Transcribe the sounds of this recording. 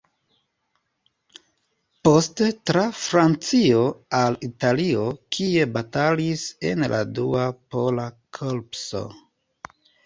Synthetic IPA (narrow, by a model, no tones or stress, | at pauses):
po̞stetɾafɾant͡sio̞alitalio̞kʰie̞batalise̞̰nlʔa̰duapo̞lakʰolpso̞̰